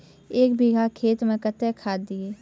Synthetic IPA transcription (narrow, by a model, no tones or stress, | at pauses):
eːkbʱiɡʱakʰeːt̪mẽkət̪ekʰaːd̪ɪeː